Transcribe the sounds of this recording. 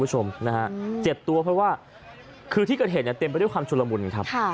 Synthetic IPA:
bu˥t͡ɕʰo˧mna˦ka˦˥ʔt͡ɕe˨˩p̚t̪u˧ɐpʰɾɔ˦˥waː˥˩ | kʰɯː˧t̪ʰiː˥˩kɤː˨˩ɦːt̪̚ni˥˩t̪i˧mp̬a˧du˥˩jkwaː˧mt͡ɕʰu˧la˧mu˧˩nkʰa˦˥p̚ʰ

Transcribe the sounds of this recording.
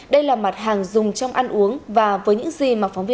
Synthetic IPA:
ɗə˧jlaː˨˩ma˨˩t̚ɦaː˨˩ŋzʊ˨˩ŋ͡mt͡ɕɔ˧wŋ͡mʔa˧nʔu˨˦əŋvaː˨˩vəː˨˦jɲɨ̰˧˥ŋzi˨˩maː˨˩fɔ˨˦wŋ͡mvi˧

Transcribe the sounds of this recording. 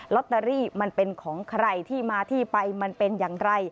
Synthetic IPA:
lɔ˦˥t̪ːa˧ɾiː˥˩ma˧npe˧nkʰɔː˩˦ŋkʰɾa˧jt̪ʰiː˥˩maː˧t̪ʰiː˥˩pa˧jma˧npe˧njaː˨˩ŋɾa˧j

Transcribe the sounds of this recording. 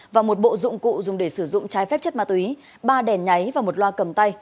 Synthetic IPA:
vaː˨˩mo˨˩t̚ɓo̰˧˨zʊ̰˧˨ŋ͡mkṵ˧˨zʊ˨˩ŋ͡mɗe˧˩sɨ˧˩zʊ̰˧˨ŋ͡mt͡ɕaː˨˦jfɛ˦˥p̚t͡ɕə˦˥t̚ma˧t̪wi˨˦ | ɓaː˧ɗɛ˨˩nɲa˨˦jvaː˨˩mo˨˩t̚lwaː˧kə˨˩mt̪a˧j

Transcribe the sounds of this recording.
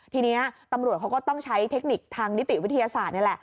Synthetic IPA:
t̪ʰiː˧ni˦˥ɐt̪a˧mɾu˨˩əkʰa˦˥wkɔː˥˩t̪ɔ˥˩ŋt͡ɕʰa˦˥jt̪ʰe˦˥k̚ni˨˩k̚t̪ʰaː˧ŋni˦˥t̪ːi˨˩wi˦˥t̪ʰa˧jaː˧saː˨˩t̪̚na˥˩lɛ˨˩ʔ

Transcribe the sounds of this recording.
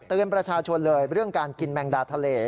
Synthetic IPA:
t̪ɯː˧ənpɾa˧t͡ɕʰaː˧t͡ɕʰo˧nlɤː˧jɾɯ˥˩əŋkaː˧nki˧nmɛː˧ŋdaː˧t̪ʰa˧leː˧

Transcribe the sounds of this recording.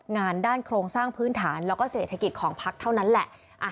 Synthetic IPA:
ŋaː˧ndaː˥˩nkʰɾoː˧ŋsaː˥˩ŋpʰɯː˦˥nt̪ʰaː˩˦nlɛː˦˥wkɔː˥˩seː˨˩t̪ʰːa˧ki˨˩t̪̚kʰɔː˩˦ŋpʰa˦˥k̚t̪ʰa˥˩wna˦˥nlɛ˨˩ʔ | ʔa˧˩

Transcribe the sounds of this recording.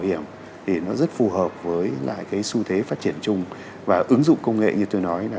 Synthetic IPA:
whi˧˩əm | t̪ʰi˨˩nɔ˨˦zə˦˥t̚fu˧ɦəː˨˩p̚vəː˨˦jla̰ː˧˨jkaː˨˦jsu˧t̪ʰe˨˦faː˦˥t̚t͡ɕi˧˩ənt͡ɕʊ˧ŋ͡m | vaː˨˩ʔɨ˨˦ŋzʊ̰˧˨ŋ͡mkə˧wŋ͡mŋḛ˧˨ɲɨ˧t̪o˧jnɔ˨˦ja˨

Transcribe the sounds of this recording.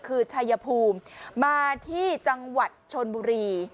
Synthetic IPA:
kʰɯː˧t͡ɕʰa˧jːa˧pʰuː˧mmaː˧t̪ʰiː˥˩t͡ɕa˧ŋwa˨˩t̪̚t͡ɕʰo˧nbuː˧ɾiː˧

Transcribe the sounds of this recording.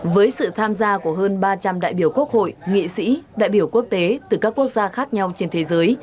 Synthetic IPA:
vəː˨˦jsɨ̰˧˨t̪ʰaː˧mzaː˧ku˧˩əɦəː˧nɓaː˧t͡ɕa˧mɗa̰ː˧˨jɓi˧˩əwku˦˥ək̚ho̰˧˨jŋḭ˧˨sḭ˧˥ɗa̰ː˧˨jɓi˧˩əwku˦˥ək̚t̪e˨˦t̪ɨ˨˧˩kaː˦˥kːu˦˥ək̚zaː˧xaː˦˥k̚ɲa˧wt͡ɕe˧nt̪ʰe˨˦zəː˨˦j

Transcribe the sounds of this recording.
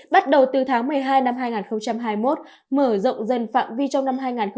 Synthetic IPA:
ɓa˦˥t̚ɗə˨˩wt̪ɨ˨˩t̪ʰaː˨˦ŋmɨ˨˩əjɦaː˧jna˧mhaː˧jŋaː˨˩nxə˧wŋ͡mt͡ɕa˧mɦaː˧jmo˦˥t̚ | məː˧˩zə̰˧˨wŋ͡mzə˨˩nfa̰ː˧˨mvi˧t͡ɕɔ˧wŋ͡mna˧mɦaː˧jŋaː˨˩n

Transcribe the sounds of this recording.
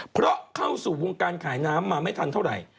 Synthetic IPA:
pʰɾɔ˦˥kʰa˥˩wsuː˨˩wo˧ŋkaː˧nkʰaː˩˦jnaː˦˥mːaː˧ma˥˩jt̪ʰa˧nt̪ʰa˥˩wɾa̰˨˩j

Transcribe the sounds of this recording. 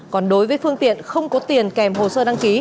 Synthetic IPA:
kɔ˨˩nɗo˨˦jvəː˨˦jfɨ˧əŋt̪ḭ˧˨ənxə˧wŋ͡mkɔ˨˦t̪i˨˩ənkɛ˨˩mɦo̰˨˩səː˧ɗa˧ŋki˨˦

